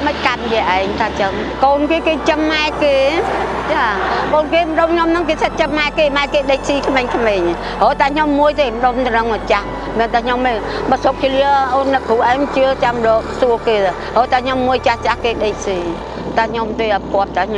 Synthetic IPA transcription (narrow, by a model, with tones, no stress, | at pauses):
mə˧c̚ka˧t̚ji˧əʔaɛŋt̪ʰaː˧t͡ɕəŋ | koː˧nkeː˧keː˧t͡ɕəmːaɛkeː˧t͡ɕaːkoː˧nkeː˧məɗo˧mɲo˧mnɨŋkeː˧sət̪̚t͡ɕəmːa˧ɛkeː˧maɛkeː˧ɗəc̚siː˧kʰmeː˧ŋkʰmeː˧ɲ | ɦoː˨˦t̪aː˧ɲo˧mːu˧əjt̪eː˧məɗo˧mt̪nəŋmə˨t͡ɕah | mi˨ənt̪ʰa˧ɲo˧mːeɓɔ˧so˧k̚kʰili˧əʔoːnːɨkʰːu˨ʔa˧mt͡ɕɨ˧ət͡ɕamɗɔːk̚su˧əkeː˧t̪ː | ɦoː˨t̪ʰaː˧ɲo˧mːuəjt͡ɕaht͡ɕahkeː˧ɗec̚siː | t̪a˧ɲo˧mt̪eː˧ʔa˩pkŏ˧ət̚t̪ːa˧ɲ